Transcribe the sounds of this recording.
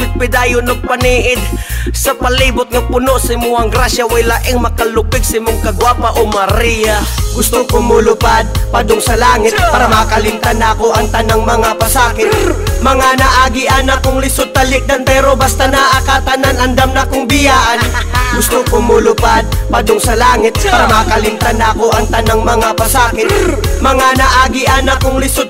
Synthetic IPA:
pɪt̪̚pɪd̪aːjʊnoɡ̚pɐniʔɪd̪̚sɐpɐliːbʊt̪̚ŋapʊnoʔsɪmʊɐŋɡɾasjawɪlaʔɪŋmɐkɐlʊpɪɡ̚sɪmʊŋkɐɡwapaʔomɐɾijaɡʊst̪ʊkomʊlʊpad̪̚pad̪ʊŋsɐlaːŋɪt̪̚paːɾamakɐlɪnt̪anakoʔɐŋt̪ɐnaŋmɐŋapɐsaːkɪt̪̚mɐŋanɐʔaːɡɪʔanɐkʊŋlɪsʊd̪̚p̪ɐlɪk̚d̪ɐnt̪ɛɾobɐst̪anaʔɐkat̪ɐnanɐnd̪amnɐkoŋbɪjaːʔɐn | ɡʊst̪okomʊlʊpad̪̚pɐd̪osɐlaːŋɪt̪̚paːɾɐmakɐlɪnt̪anːɐkoʔɐŋt̪ɐnaŋmɐŋapɐsaːkɪt̪̚mɐŋanɐʔaːɡɪʔanɐkoŋlɪsʊd̪̚

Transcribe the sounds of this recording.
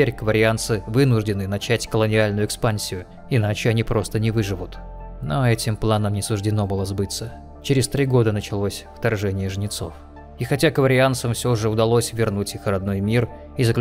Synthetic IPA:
eɾʲkvəɾʲɪant̪sɨvɨnʊʐdʲɪnɨnɐt͡ɕætʲkəlˠənʲɪalʲnʊjʊɪkspanʲsʲɪjʊ | ɪnat͡ɕɪɐnʲipɾʔo̞st̪ənʲɪvɨʐɨvʊt̪ | noɐɛtʲɪmplˠanəmnʲɪsʊʐdʲɪno̞bɨlˠəzbɨt̪sə | t͡ɕɪɾʲɪst̪ɾʲiɡo̞d̪ənət͡ɕɪlˠo̞sʲft̪ɐrʐɛnʲɪjəʐnʲɪt̪so̞̰f | ixɐtʲakəvəɾʲɪant̪səmfsʲo̞ʐɨʊd̪ɐlˠo̞sʲvʲɪrnutʲixɾɐd̪no̞jmʲir | izəklʲ

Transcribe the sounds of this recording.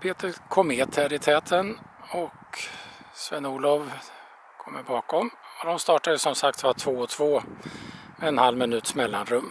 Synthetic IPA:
pʰeːt̪əɾkʰɔmeːt̪ʰɛɾɪt̪ʰɛːt̪ʰənɔk | svɛnːuːlɔv | kʰɔmːəɾbɑːkɔmɔd̪ɔmst̪ɑːʈad̪əsɔmsak̚t̪vat̪ʰvoːɔt̪ʰv̥oː | ɛnhalmɪnʉ̟ːt̪ʂmɛlːanɾɵmː

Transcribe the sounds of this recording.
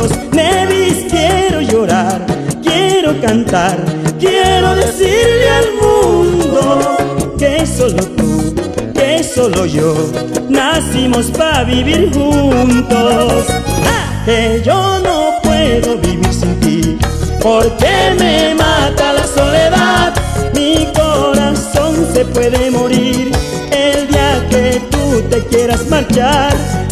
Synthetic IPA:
osneβiskjeɾo̞ʝo̞ɾaɾkjeɾo̞kant̪aɾkjeɾo̞ðesiɾlealmund̪okesolot̪ukeso̞loʝonasimospaβiβiɾxunt̪os | keʝonopweðoβiβiɾsint̪ipoɾkememat̪alasoleðaðmikoɾaso̞nsepwe̞ðemoɾiɾ | eld̪iaket̪ut̪ekjeɾasmaɾt͡ʃaɾ

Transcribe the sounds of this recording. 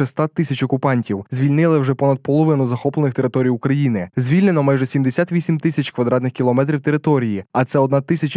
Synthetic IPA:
ɛst̪ɑt̪ːɪsʲɐt͡ʃɔkʊpɑnʲtʲiwzʲʋʲilʲnɪlˠɪwʒɛpɔnɐd̪̚pɔlˠɔʋɪnʊzɐxɔplˠenɪxt̪e̞ɾɪt̪ɔɾʲijʊkɾɐjinɪzʲʋʲilʲnenɔmajʒɛsʲimd̪esʲat̪ʋʲisʲimt̪ɪsʲɐt͡ʃkʋɐd̪ɾɑt̪nɪxʲkʲilˠɔmɛt̪̬ɾʲiwt̪eɾɪt̪ɔɾʲijiɐt̪sɛɔd̪nɑt̪ɪsʲɐt͡ʃ

